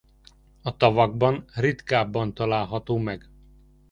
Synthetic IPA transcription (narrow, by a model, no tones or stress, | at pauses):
ɒt̪ɒvɒɡbɒnrit̪kaːbːɒnt̪ɒlaːlɦɒt̪oːmɛɡ